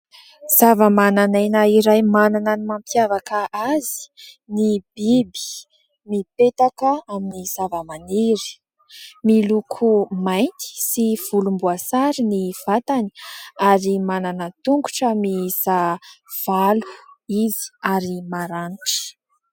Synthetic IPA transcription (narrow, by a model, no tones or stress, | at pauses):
z̥avəmananajnəiɾajmananənimampjavakəʔazi̥ | nibibi̥ | mipet̪akəaminiz̥avəmaniɾi̥ | milukʰumajnt̪i̥siv̥ulumbuasaɾiniv̥at̪ani̥aɾimananət̪uŋɡu̥ʈ͡ʂəmiz̥av̥alu̥izi̥aɾimaɾaniʈ͡ʂi̥